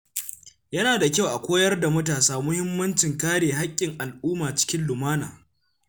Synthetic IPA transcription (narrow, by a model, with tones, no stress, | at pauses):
jɐ˦naː˨da˨kʲa˦˨wʔa˨kʷoː˦jɐ˦rda˨mɐ˦taː˨saː˦mʊ˦hɪ˦mːɐ˦nt͡ʃɪ˨ŋkaː˦ɽeː˨ɦa˦kʲʼːɪ˨ŋʔa˨lʔuː˦maː˨t͡ʃɪ̥˦kʲɪ˦nlʊ˨maː˦naː˨